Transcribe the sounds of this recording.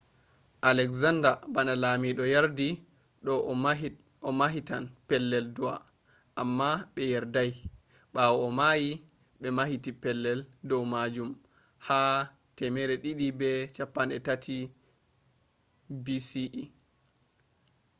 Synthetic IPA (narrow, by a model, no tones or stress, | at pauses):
ʔalɛkzandabanalamiɗɔjaɾdi | ɗɔ | ɔmaɦitanpɛlːɛldua̰ | ʔamːaɓɛjɛɾdaj | ɓawɔɔmaji | ɓɛmahitipɛlːɛldɔwmad͡ʒum | ha | tɛmɛɾɛɗiɗibɛt͡ʃapːanɛ̰tatʰi | bisiʔ